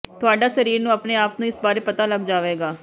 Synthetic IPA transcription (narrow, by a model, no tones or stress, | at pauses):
t̪ʊaːɖaːsəɾiːɾnũːəpneːaːpnũːɪsbaːɾeːpət̪aːləɡd͡ʒaːʋeːɡaː